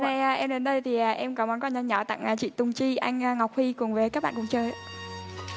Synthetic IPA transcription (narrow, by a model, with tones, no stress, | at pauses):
na˧jaː˨˩ʔɛ˧mɗe˨˦nɗə˧jt̪ʰi˨˩aː˨˩ʔɛ˧mkɔ˨˦mɔ˨˦nkɔ˧˩nɲə˧ɲɔ˧˩t̪a̰˧˨ŋʔaː˨˩t͡ɕḭ˧˨t̪ʊ˨˧˩ŋ͡mt͡ɕi˧ʔa˧jŋ̟a˧ŋa˨˩wk͡p̚hi˧kʊ˨˩ŋ͡mvəː˨˦ka˦˥ɓa̰ː˧˨kʊ̰˧˥˩ŋ͡mt͡ɕəː˧j